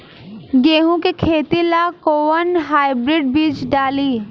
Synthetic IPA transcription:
ɡeːɦõkekʰeːt̪ilaːkoːʋənɦaːɪbɾɪɖbiːt͡ʃɖaːliː

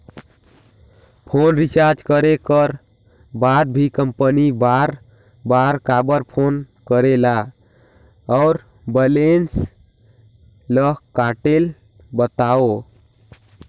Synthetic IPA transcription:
pʰonɾit͡ʃaɾd͡ʒkəɾekəɾ | bad̪̚bʱikəmpənibaɾ | baɾkabəɾpʰon | kəɾela | ɔːɾ | bəlens | ləɦkaʈel | bət̪ao

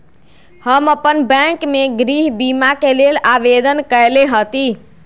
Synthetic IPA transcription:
həməpənbɛ̃kmeɡɾiɦbimakelelaʋed̪ənkəjleɦət̪i

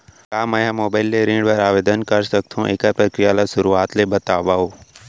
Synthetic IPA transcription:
kaːməjãmoːbaːɪlːeɾĩːɳɖʋɐɾaːʋeːd̪ənkəɾsək̚t̪ʰũʔekapɾəkɾɪjalasʊɾuːaːt̪lebət̪aːʋaːoː

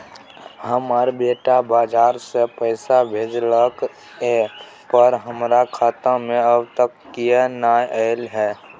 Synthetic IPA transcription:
həməɾbeːʈabaːd͡ʒaːɾsepəɪsabʱeːd͡ʒləkː | pəɾɦəmɾakʰaːt̪ãmẽəbt̪əkːijenaːʔəɪlɦɛː

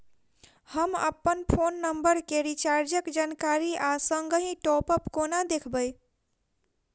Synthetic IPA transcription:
həmə̰pːənpʰonːəmbəɾkeɾit͡ʃaɾd͡ʒəkd͡ʒankaɾiʔasəŋɡəɦĩʈɔpəpkonad̪ekʰbəj

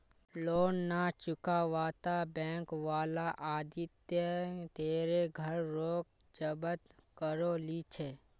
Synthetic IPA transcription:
loːnːat͡ʃʊkaʋaːt̪abɛ̃ːŋkʋaːlaʔaːd̪ɪt̪jət̪eːɾeɡʱəɾːoːk̚ | d͡ʒəbət̪ | kəɾolit͡ʃʰeː

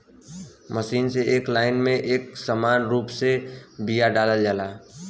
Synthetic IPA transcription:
məʃiːnseeːklaːɪnmẽʔeːk̚səmaːnɾuːpsebijaɖaːləld͡ʒaːlaː

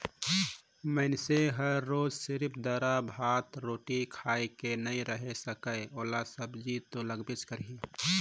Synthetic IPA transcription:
məɪnseɦəɾːoːd͡ʒsɪɾpʰd̪əɾabʱaːt̪ɾoːʈikʰaːekenəĩɾəɦesəkəjoːlasəbd͡ʒit̪oləɡbet͡ʃkəɾɦi

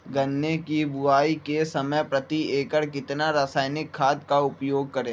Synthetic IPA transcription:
ɡɐnːekibʊaːikesɐməjpɾɐt̪ieːkəɾkɪt̪naɾaːsaːjnɪkʰːaːd̪kaʊpjoːɡ̚kɐɾẽː

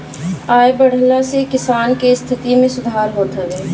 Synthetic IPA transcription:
aːjbəɽ̤əlasekɪsaːnkest̪ʰɪt̪imẽsʊd̪ʱaːɾɦoːt̪əɾɛː

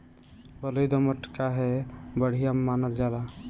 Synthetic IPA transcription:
bəlojd̪əməʈkaɦɛbəɽ̤ijammanəld͡ʒala

